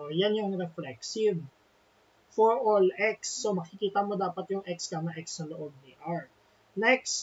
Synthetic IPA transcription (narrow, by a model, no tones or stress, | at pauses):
janjʊŋɾɛflɛksɪb | fɔɹʔolʔɛksːomɐkɪkiːt̪ɐmo̞d̪aːpɐt̪jʊŋʔɛkskɐŋɐʔɛksnɐloʔoɡ̚nɪʔaɹ | nɛks